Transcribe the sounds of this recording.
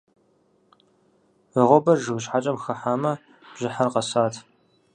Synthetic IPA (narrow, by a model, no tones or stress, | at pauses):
əʁʷɔbɐrʒɨwɕħat͡ʃʼɐmxɐħaːmɐ | b̥ʑɪħarqɐsaːtʰ